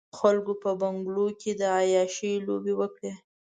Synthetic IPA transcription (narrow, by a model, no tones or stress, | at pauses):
xalkopəbaŋɡloked̪əɑjɑʃəjlobewəkɽe